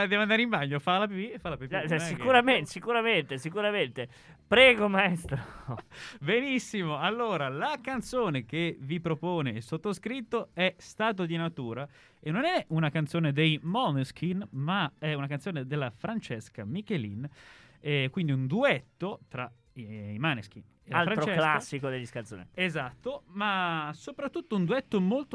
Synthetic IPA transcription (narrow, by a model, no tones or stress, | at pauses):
ad̪ɛavand̪aɾeimbaɲːofalap̬ibiefalapipːsikuɾamensikuɾament̪esikuɾament̪e | pɾɛːɡomaest̪ɾo | benisːimoalːoːɾalakant̪soːnek̟evipɾopoːnesot̪ːoskɾit̪ːoɛst̪aːt̪̬od̪inat̪uːɾa | enːonɛunakant̪soːned̪ejmɔnskinmaɛunakant̪soːned̪elːafɾant͡ʃeskamikelḭn | ɛkwind̪iund̪uɛt̪ːot̪ɾa | imanesk̟ḭn | elalfɾant̪ɾot͡ʃelasːikod̪elːiskant̪so̰ːneezat̪ːomasopɾat̪ːut̪ːound̪uɛt̪ːomolt̪o